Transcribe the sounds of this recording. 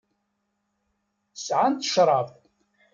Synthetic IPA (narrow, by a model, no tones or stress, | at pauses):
sʕant̪ə̥ʃɾˤɑv